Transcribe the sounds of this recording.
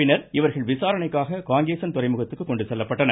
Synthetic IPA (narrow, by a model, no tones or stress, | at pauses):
ɪnɐɾɪʋɐɾɣɐɭʋɪsaːɾɐɳɐɪkːaːɣɐkaːŋɡɾeːsɐnt̪ʊrɐɪmɯɣɐt̪ːɯkːɯkːɔɳɖɯsɛlːɐpːɐʈːɐnɐ